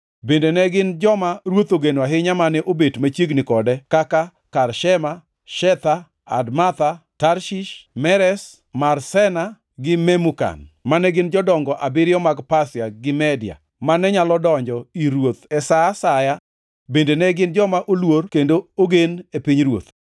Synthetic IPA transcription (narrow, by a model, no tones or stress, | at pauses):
bendenɛɡɪnd͡ʒɔmaɾwot̪oɡenwaɦɪɲamanɛʔobetmat͡ʃjeɡnɪkɔdɛkaka | karʃɛma | ʃɛt̪a | a̰dmat̪ataɾʃiʃmɛɾɛs | marsɛna | ɡɪmɛmuka̰nmanɛɡɪnd͡ʒɔdɔŋɡɔʔabɪɾɪjɔmaɡpasjaɡɪmɛdɪa̰ | manɛɲalɔdɔɲd͡ʒɔiɾwot̪ɛsasaja | bendenɛɡɪnd͡ʒɔmaʔolworkendooɡenepiɲɾwo̰t̪